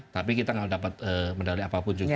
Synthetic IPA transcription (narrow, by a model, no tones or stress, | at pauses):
t̪apikit̪aŋaudapat̪̚əməndaliapapʊnd͡ʒu